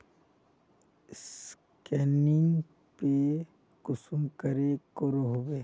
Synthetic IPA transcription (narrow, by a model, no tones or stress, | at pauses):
s | kɛːnɪŋɡ | pe | kʊsʊmkəɾekoɾoɦobeː